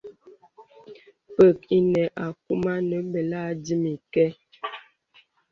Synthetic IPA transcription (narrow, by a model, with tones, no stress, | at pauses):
pə˦˨ki˦nɛ˨ʔa˨ku˦ma˦nə˨˦bə˨la˦di˦mi˨kɛ˦